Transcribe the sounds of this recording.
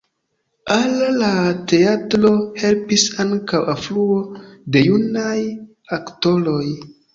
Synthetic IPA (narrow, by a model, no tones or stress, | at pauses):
allate̞atɾo̞he̞lpisaŋkawafluo̞de̞junaj | akto̞lo̞j